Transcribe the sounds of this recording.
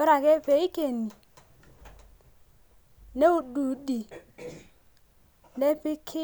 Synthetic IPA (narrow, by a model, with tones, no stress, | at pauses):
ʊ˦ɾa˨kʼɛ˦pe˨i˦kʼe˨ni˨ | ne˦ʊ˦˨du˨di˨ | ne˦pɪ˦kʰɪ˦